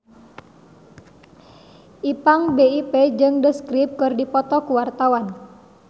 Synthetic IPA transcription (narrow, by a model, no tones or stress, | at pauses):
ʔipaŋbeiped͡ʒɨŋdəskɾip̚kɨrdipɔt̪ɔkuwart̪awan